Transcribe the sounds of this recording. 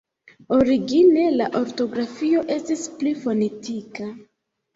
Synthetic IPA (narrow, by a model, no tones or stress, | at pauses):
o̞ɾiɡine̞laʔo̞ɾto̞ɡɾafio̞ʔe̞stisplifo̞ne̞tika